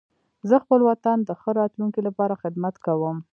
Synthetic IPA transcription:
zəxpəlwat̪and̪əxəɾɑt̪luŋkilapɑɾaxɪd̪mat̪kawəm

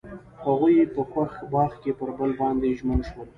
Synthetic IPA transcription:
haɣujepəxwaxbɑxkepəɾbəlbɑnd̪eʒmənʃwəl

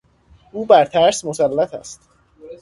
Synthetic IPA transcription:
ʔuːbæɾt̪ʰæɾsmosælːæt̪ʰæ̰st̪

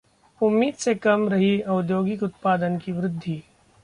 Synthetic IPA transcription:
ʊmːiːd̪sekɐmɾɐɦiɐʊd̪joːɡɪkʊt̪paːd̪ənkiʋɾɪd̪ʱːi

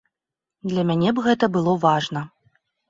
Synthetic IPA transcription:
d̪lʲɐmʲanʲɛbɣɛt̪ɐbɨlˠɔvaʐnɐ

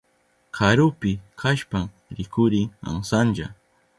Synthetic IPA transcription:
kʰaɾʊpɪkʰaʃpam | ɾɪkʊɾɪa̰ŋsanʒa̰

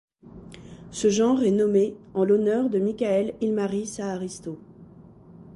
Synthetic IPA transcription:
səʒɑ̃ʁɛnɔmeɑ̃lɔnœʁd̪əmikʲaɛlilmaʁisaːʁist̪o

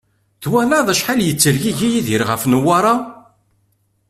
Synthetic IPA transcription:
ðwænaðæʃħaljət͡sːəɾʝiʝijiðiɾʁəfnwaɾˤɑ

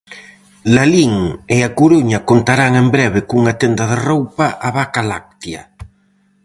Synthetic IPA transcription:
laliŋeakuɾuɲɐkont̪aɾaŋembɾɛβɪkuŋat̪end̪ɐðerowpaʔaβakalak̚t̪jɐ

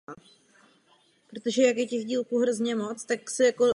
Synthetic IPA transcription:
pɾo̞t̪o̞ʒɛjakjɛcɛɣɟiːlkuːɦɾo̞zɲɛmo̞t͡st̪aksɛjako

